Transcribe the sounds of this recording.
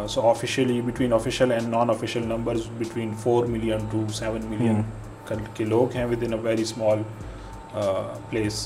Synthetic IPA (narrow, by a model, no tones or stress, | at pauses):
soːɔfɪʃəlibɪʈwĩːnɔfɪʃəlɛ̃ɳɖnɔ̃ːnɔfɪʃəlnɐ̃mbəɾzbɪʈwĩːnfoːɾmɪljə̃nʈusɛʋə̃nmɪljə̃n | kkeloːkɦɛ̃ʋɪd̪ɪ̃nəʋɛːɾismɔːl | pleːs